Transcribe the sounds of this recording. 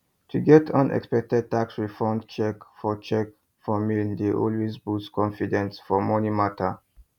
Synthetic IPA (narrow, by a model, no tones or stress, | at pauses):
tʰuɡɛtʰʌ̃nʔɛ̰kspɛk̚tɛd̚taksɹifɔ̃nd̚t͡ʃɛkfɔt͡ʃɛk | fɔmindeʔɔ̰lwezbuskʰɔ̃nfidɛ̃nsfɔmɔnimatʰa